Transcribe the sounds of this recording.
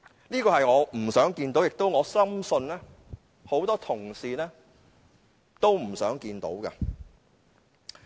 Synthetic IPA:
liː˥kɔː˧hɐ˨jŋɔː˨˧m̩˨˩sœː˨˥ŋkiː˧nt̪o˨˥wjɪ˨k̚t̪o˥wŋɔː˨˧sɐ˥msɵ˧nlɛː˥ | ho˨˥wt̪ɔː˥t̪ʰʊ˨˩ŋsiː˨˧nɛː˥ | t̪o˥wm̩˨˩sœː˨˥ŋkiː˧nt̪o̰˨˥wkɐ̰˧

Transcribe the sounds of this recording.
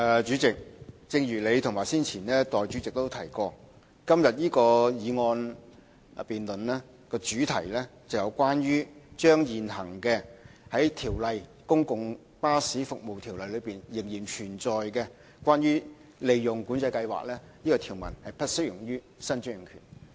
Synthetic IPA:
ɛ˨t͡ʃyː˨˥t͡sɪ˨k̚t͡sɪ˧ŋjyː˨˩le˨˧jt̪ʰʊ˨˩ŋmaː˨˩jsiː˥nt͡sʰiː˨˩nɛː˥t̪ɔː˨jt͡ʃy˨˥t͡sɪ˨k̚t̪o˥wt̪ʰɐ˨˩jkɔː˧ | kɐ˥mjɐ˨t̚jiː˥kɔː˧jiː˨˧ŋɔː˧n | piː˨nlɵ˨nlɛː˥ | kɔː˧t͡ʃyː˨˥t̪ʰɐ˨˩jlɛː˥t͡sɐ˨wjɐ˨˧wkʷaː˥nɥyː˥t͡ʃœː˥ŋjiː˨nɦɐ˨˩ŋkɛː˧hɐ˨˥jt̪ʰiː˨˩wlɐ˨jkʊ˥ŋkʊ˨ŋ | paː˥siː˨˥fʊ˨k̚mo˨wt̪ʰiː˨˩wlɐ˨jlɵ˨˧ɥpiː˨njɪ˨˩ŋjiː˨˩nt͡ʃʰyː˨˩nt͡sɔː˨jkɛː˧ | kʷwaː˥nɥyː˥ | le˨jjʊ˨ŋkuː˨˥nt͡sɐ˧jkɐ˧jwa̰ː˨k̚lɛː˥jiː˥kɔː˧t̪ʰi˨˩wmɐ̰˨˩nhɐ˨jpɐ˥t̚sɵ˥jʊ˨˩ŋjyː˥ | sɐ˥nt͡ʃy˥ŋjɪ˨˩ŋkʰy̰ː˨˩n

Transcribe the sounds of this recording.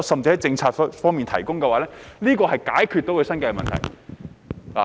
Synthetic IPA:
sɐ˨mt͡si˧hɐ˨˥jt͡sɪ˧ŋt͡sʰaː˧t̚fɔː˥ŋmiː˨nt̪ʰɐ˨˩jkʊ˥ŋkɛ˧waː˨˥lɛː˥liː˥kɔː˧hɐ˨jkaː˨˥jkʰyː˨˧t̚t̪o˨˥wkʰːsɐ˥nkɛː˧mɐ̰˨nt̪ʰɐ˨˩j | la̰˨

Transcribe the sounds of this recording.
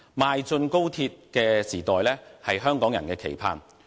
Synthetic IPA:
maː˨jt͡sɵ˧nko˥wt̪ʰiː˧t̚kɛː˧siː˨˩t̪ɔː˨jlɛː˥hɐ˨jɦœː˥ŋkɔː˨˥ŋjɐ˨˩nkɛː˧kʰḛ˨˩jpʰa̰ː˧˩n

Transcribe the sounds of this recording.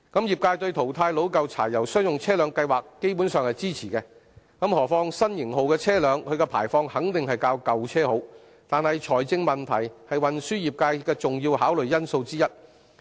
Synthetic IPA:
kɐ˨˥mjiː˨p̚kaː˧jt̪ɵ˧ɥt̪ʰo˨˩wt̪ʰaː˧jlo˨˥wkɐ˨˧wt͡sʰa̰ː˨˩jːɐ˨˩wsœː˥ŋjʊ˨˩ŋt͡sʰɛː˥lœː˨˧˥ŋkɐ˧jwaː˨˩kːe˥jpuː˨˥nsœː˨ŋhɐ˨jt͡siː˥t͡sʰiː˨˩kɛː˧ | kɐ˨˥mhɔː˨˩fɔː˧ŋsɐ˥njɪ˨˩ŋho˨wkɛː˧t͡sʰɛː˥lœː˨˧ŋkʰɵ˨˧ɥkɛː˧pʰa̰ː˨˩jfɔː˧ŋhɐ˨˥ŋt̪ɪ˨ŋhɐ˨jkaː˧wkɐ˨wt͡sʰɛː˥ho˨˥w | t̪aː˨nhɐ˨jt͡ʃʰɔː˨˩jt͡sɪ˧ŋmɐ˨nt̪ʰɐ˨˩jhɐ˨jwɐ˨nsyː˥jiː˨p̚kaː˧jkɛː˧t͡sʊ˨ŋjiː˧wɦaː˨˥wlɵ˨ɥjɐ˥nso˧wt͡siː˥jɐ˥t̚

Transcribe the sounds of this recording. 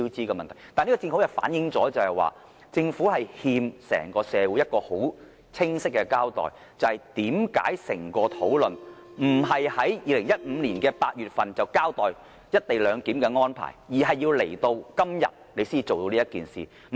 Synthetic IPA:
t͡siː˥kɛː˧mɐ˨nt̪ʰɐ˨˩jt̪aː˨ni˥kɔː˧˨ɪ˧ŋfu˧˥jɐ˨fa̰ː˨˥njɪ˨˥ŋt͡sɔː˨˥t͡sɐ˨whɐ˨jwa̰ː˨ | t͡sɪ˧ŋfuː˨˥hɐ˨jhiː˧msɛ̰ː˨˩ŋkɔː˧sɛː˨˧wu˨˥jɐ˥t̚kɔː˧ho˨˥w | t͡sʰɪ˥ŋsɪ˥k̚ːɛ˧kaː˥wt̪ɔ̰ː˨˩j | t͡sɐ˨whɐ˨˩jt̪iː˨˥mka̰ː˨˥jsɪ̰˨˩ŋkɔː˧t̪ʰo˨˥wlɵ˨n | m̩˨˩ɦɐ˨jhɐ˨˥jjiː˨˧lɪ˨˩ŋjɐ˥t̚m̩ː˨˧nliː˨˩nkɛː˧paː˧t̚jyː˨t̚fɐ˨nt͡sɐ˨˩wkaː˥wt̪ɔː˨˩j | jɐ˥t̚t̪e˨˩jlœː˨˧ŋkiː˨˥mkɛ˧ŋɔː˥npʰa̰ː˨˩jjiː˨˩ɦɐ˨jːiː˧wle˨˩jt̪o˧wkɐ˥mjɐ̰˨t̚ne˨˧jsiː˥i˧t͡so˨wt̪o˧liː˥jɐ˥t̚kiː˨nsḭː˨˩

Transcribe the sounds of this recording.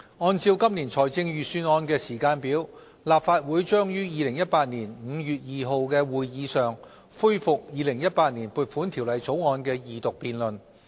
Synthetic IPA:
ŋɔː˧nt͡siː˧wkɐ˥mniː˨˩nt͡sʰɔː˨˩jt͡sɪ˧ŋjyː˨syː˧nɔː˧nkɛː˧siː˨˩kaː˧npiː˨˥w | laː˨p̚faː˧t̚wuː˨˥jt͡ʃœː˥ŋjyː˥jiː˨˧lɪ˨˩ŋjɐ˥t̚paː˧t̚niː˨˩nm̩˨˧jyː˨t̚jiː˨ɦo˨˧wkɛː˧wuː˨jːiː˨˧sœː˨ŋ | fuː˥jfʊ˨k̚jiː˨˧lɪ˨˩ŋjɐ˥t̚paː˧t̚niː˨˩npuː˨t̚fuː˨˥nt̪ʰi˨˩wlɐ˨˧jt͡so˨˥wŋɔː˧nkɛː˧jiː˨˧t̪ʊ˨k̚piː˨˧nlɵ˨n

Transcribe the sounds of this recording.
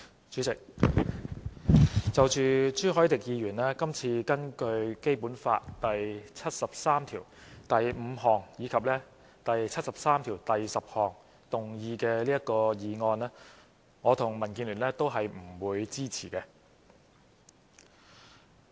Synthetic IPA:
t͡ʃy˨˥t͡sɪ˨k̚ | t͡sɐ˨wt͡ʃyː˨t͡ʃyː˥ɦɔː˨˥jt̪ɪ˨k̚jiː˨˧ɥyː˨˩nɛː˥kɐ˥mt͡sʰiː˧kɐ˥nkɵ˧ɥke˥jpuː˨˥nfa̰ː˧tt̪ɐ˨jt͡sʰɐ˥t̚sɐ˨p̚saː˥mt̪ʰiː˨˩wt̪ɐ˨jm̩˨˧ɦɔː˨˩ŋjiː˨˧kʰɐ˨p̚lɛː˥ | t̪ɐ˨jt͡sʰɐ˥t̚sɐ˨p̚saː˥mt̪ʰiː˨˩wt̪ɐ˨jsɐ˨p̚hɔː˨ŋ | t̪ʊ˨ŋjiː˧kɛː˧liː˥jɐ˥t̚kɔː˧jiː˨˧ŋɔː˧nɛː˥ | ŋɔː˨˧t̪ʰʊ˨˩ŋmɐ˨˩nkiː˧nlyː˨˩nlɛː˥t̪o˥wɦɐ˨jm̩˨˩wuː˨˧jt͡siː˥t͡sʰiː˨˩kɛ˧

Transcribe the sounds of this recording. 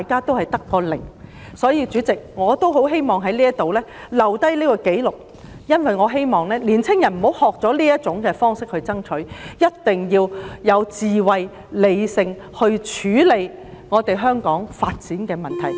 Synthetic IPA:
t̪a˨jkaː˥t̪o˥whɐ˨jt̪ɐ˥kːɔː˧lɪ̰˨˩ŋ | sɔː˨˥jiː˧t͡ʃyː˨˥t͡sɪ˨k̚ŋɔː˨˧t̪o˥wɦo˨˥wɦe˥jmɔː˨ŋɦɐ˨˥jliː˥jɐ˥t̚t̪o˨wlɛː˥lɐ˨˩wt̪ɐ˥jliː˥kɔ˧ke˨˥jlʊ˨k̚ | jɐ˥nwɐ˨jŋɔː˨˧ɦe˥jmɔː˨˩ŋlɛː˥liː˨˩nt͡sʰɪ˥ŋjɐ˨˩nm̩˨˩ho˨˥whɔː˨k̚t͡sɔː˨˥liː˥jɐ˥t̚t͡sʊ˨˥ŋkɛː˧fɔː˥ŋsɪ˥k̚hɵ˧ɥt͡sɐ˥ŋt͡ʃʰɵ˨˥ɥjɐ˥t̚t̪ɪ˨ŋjiː˧wjɐ˨˧wt͡siː˨wɐ˨j | le˨˧jsɪ˧ŋ | hɵ˧ɥt͡ʃʰyː˨˥le˨˧j | ŋɔː˨˧t̪e˨jɦœː˥ŋkɔː˨˥ŋfaː˧t̚t͡siː˨˥nkɛː˧mɐ˨˩nt̪ʰɐ˨˩j

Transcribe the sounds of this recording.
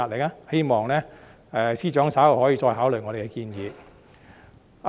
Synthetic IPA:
aː˨˧t̚le˨k̚aː˥he˥jmɔː˨ŋlɛː˥ | ɛː˨˧siː˥t͡ʃœː˨˥ŋsaː˨˥whɔː˨˥jiː˧t͡ʃɔː˧jɦaː˨˥wlɵ˨˩jŋɔː˨˧de˨˩kɛ˧kiː˧njiː˨˧

